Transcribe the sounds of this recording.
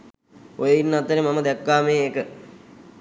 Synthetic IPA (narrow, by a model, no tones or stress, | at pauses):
ojəinːat̪ːəɾemaməd̪ɛkːaːmejːkə